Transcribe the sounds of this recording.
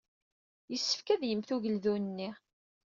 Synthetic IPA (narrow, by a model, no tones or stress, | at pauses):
jəsːə̥fkæðjəmθuʝəlðunənːi